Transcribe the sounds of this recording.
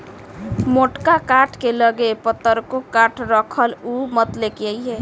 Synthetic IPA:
moʈkakaʈʰkeləɡepət̪ːəɾkokaʈʰɾəkʰəlumət̪lekəjɦe

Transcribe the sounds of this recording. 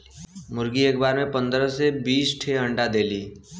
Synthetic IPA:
mʊɾɡieːkbaːɾmẽpə̃nd̪ɾəsebiːsʈʰeəɳɖad̪eːliː

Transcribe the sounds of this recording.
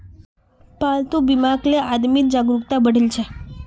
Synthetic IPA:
palt̪ubimakleʔad̪miːt̪̚d͡ʑaɡɾukt̪abəɽ̤ilt͡ɕʰɛ

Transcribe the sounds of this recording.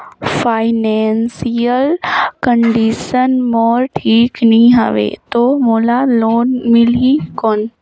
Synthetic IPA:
faːɪneːnsijəlkəɳɖiʃənmoːɾʈʰiːknĩɦɐ̰ʋḛːt̪oːmoːlaloːnmɪlĩkoːn

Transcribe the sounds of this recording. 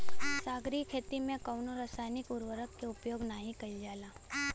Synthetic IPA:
saːɡɾikʰeːt̪imẽkəwnoɾasaːjnɪkʊɾʋəɾəkːeʊpjoːɡnaɦĩkɐid͡ʒaːlaː

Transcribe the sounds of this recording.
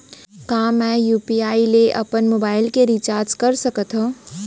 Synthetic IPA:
kaːmɛ̃juːpiaːileʔɐpənmobaːɪlkeɾit͡ʃaːɾd͡ʒkəɾsəkət̪ɦə

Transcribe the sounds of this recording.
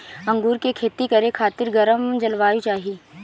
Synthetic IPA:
ɐ̃ŋɡuːɾkekʰeːt̪ikɐɾekʰaːt̪ɪɾɡɐɾəmd͡ʒɐlʋaːit͡ʃaːɦieː

